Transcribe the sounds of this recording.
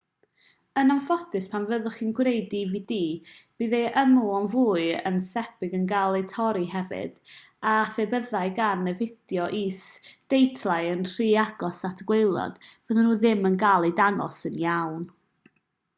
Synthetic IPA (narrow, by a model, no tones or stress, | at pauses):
ənanfɔtɨspʰanvəðʊχinɡwrejdiviːdiːb̥iːðɛʔəmuɔnvuːɨə̰nθɛpɪɡənɡalˠitʰɔɾihɛvɨ̰d̥ | afebəðaɨɡarnːɛvɪd̥jɔʔiːsd̥ejtʰlˠajənr̥iːaɡɔsatʰɡ̥welˠɔ̰d̥vəðənuːðɪmənɡalˠidanɔ̰sənjawn